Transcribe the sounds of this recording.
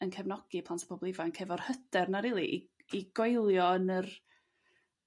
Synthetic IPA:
ənkʰɛvnɔɡ̥ipʰlˠantʰpʰɔbɔlˠɪvankʰɛvɔr̥həd̥ɛrnaɾiːlˠiʔi | iɡ̥ojlˠjɔənər

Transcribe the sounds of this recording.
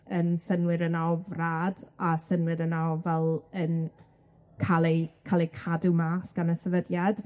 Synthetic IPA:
ənsənwɪɾənavraːdasənwɪɾənawvɛlˠən | kʰalˠɛkʰalˠikʰadumaːsɡ̥anəsəvədjad̥

